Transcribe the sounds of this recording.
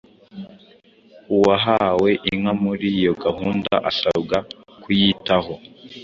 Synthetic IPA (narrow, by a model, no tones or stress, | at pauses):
uwaɦawe̞ʔiŋamuɾijo̞ɡaɦuːnda̰ʔasauɡa | kʰujitaɦo̞